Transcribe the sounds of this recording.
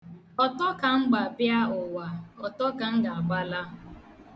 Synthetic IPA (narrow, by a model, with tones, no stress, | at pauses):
ɔ˨tɔ˦ka˨ŋ͡m̩˦ɡ͡ba˨bja˦ʊ˨wa˨ɔ˨tɔ˦ka˨ŋ̩˦ɡa˨a˨ɡ͡ba˦la˦